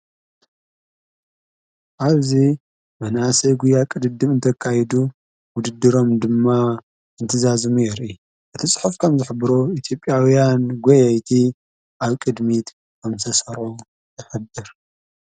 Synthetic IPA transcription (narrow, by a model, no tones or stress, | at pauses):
ʔaβzi | mɐnasɐɡujakʼɨd̪ɨd̪ːɨmɨnt̪ʰɐkʰːajɛd̪u | wʊd̪ɨd̪ːɨɾo̞md̪ɨmːa | ɨnt̪ʰɨzazɨmujɛɾʔi | ʔɨt̪ʰisʼɨ̥ħufkʰɐmzɨħɨbɨɾoit̪ʰjo̞pʼjawijanɡʷojɐjt̪ʰi | ʔaβkʼɨd̪mit̪ | kʰɐmsʰɐsɐɾo | ɨħɨd̪ɨɾ